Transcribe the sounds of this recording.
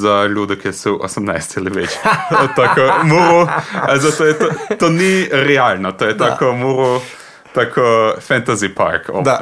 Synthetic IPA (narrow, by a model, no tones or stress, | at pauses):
zalud̪əkiɛsuwʔo̰səmnajst̪sɛlɛʋet͡ʃot̪akomuɾuazat̪oːjɛt̪ot̪oniɾɛaːlnɔt̪oːjɛt̪akɔmuɾu | t̪aːkʰɔfɛnt̪azipa̰ɾko̰d̪a